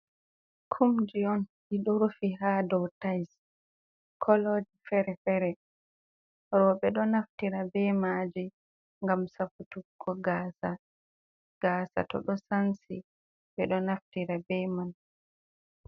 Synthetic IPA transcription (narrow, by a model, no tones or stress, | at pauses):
kʰumd͡ʒiɔn | iɗɔɾfiɦaːdɔwtajs | kʰɔlod͡ʒifɛɾɛfɛɾɛ | ɾɔɓɛɗɔnaftiɾabɛmaːd͡ʒi | ŋɡamsafutukːɔɡaːsa | ɡ̥aːsa̰tɔ̰ɗɔsansḭ | ɓɛɗɔnaftiɾabɛman